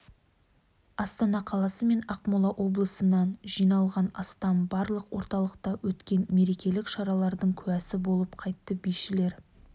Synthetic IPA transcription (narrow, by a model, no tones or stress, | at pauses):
ɑst̪ɑnɑqʰɑlˠɑsəme̞nɑqmolˠɑʔo̞blˠəsənɑnʒijnɑlˠʁɑnɑ̰st̪ɑmbɑɾlˠəqwo̞ɾt̪ɑlˠəqt̪ɑwɵt̪kʲe̞nme̞ɾe̞kʲe̞lɪkʃɑɾɑlˠɑɾd̪əɴkʲʰʉæsɪbo̞lˠəpqʰɑjt̪ːəbijʃɪle̞ɾ